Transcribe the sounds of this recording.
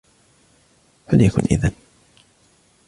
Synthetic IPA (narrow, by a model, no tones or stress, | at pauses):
faljakʰʊ̰ːnʔɪ̰ðan